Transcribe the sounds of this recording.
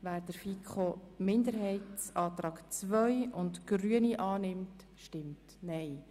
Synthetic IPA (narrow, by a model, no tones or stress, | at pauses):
ʋæːɾd̥əɾfikχomɪndəɾɦɛɪtt͡sɑːt̪rɑːɡt͡svœjʊntɡ̥ryəniʔɑːnɪmt | ʃtɪmt | nɛɪ